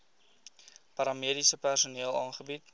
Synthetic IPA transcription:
pɐɾɑmiədisəpærsuniəlˠɑːnχəbit

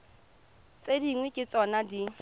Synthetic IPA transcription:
t͡sʼediŋwɛkʼɪt͡sʼɔnadi

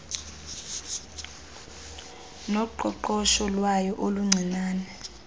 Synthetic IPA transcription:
nɔǃɔǃɔʃɔlwajɔʔoluŋ͡ǀʱinaːnɛ

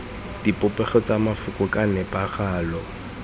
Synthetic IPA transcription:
d̥ipʼʊpʼɛχɔt͡sʼamafʊkʼʊkʼanɛpʼaχaːlɔ

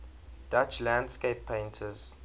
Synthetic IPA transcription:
d̥at͡ʃlãndskepʰːẽɪ̃ntʰəz̥

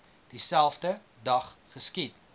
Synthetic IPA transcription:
d̥isælˠfdə | dɐχχəskit̚

